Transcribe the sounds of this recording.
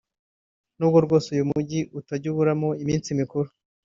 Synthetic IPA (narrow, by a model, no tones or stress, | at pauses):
nuːb̚ɡoɾɡo̞ːsujumuɟiʔutaɟuβuɾamoimiːnt͡simikuɾu